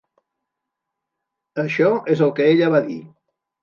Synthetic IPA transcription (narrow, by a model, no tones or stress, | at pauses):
əʃɔezalkeeʎəβaðḭ